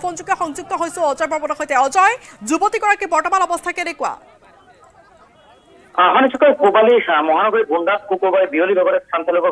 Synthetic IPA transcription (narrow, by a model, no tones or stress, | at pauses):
pond͡ʑuk̚t̪oʃɔŋd͡ʑuk̚t̪oɦojsʰoɔd͡ʑɔjbʱɔɾbonoɦojt̪eaɔd͡ʑɔed͡ʑubot̪ikɔɾakibɔɾʈomanɔbost̪ʰakeɾekua̰ | aɦɔnet͡ʃʰukɔkobalimɔɦanɔɡoɾibʱunɖat̪̚kukobaebiolibʱɔɡoɾest̪ʰant̪ʰiloko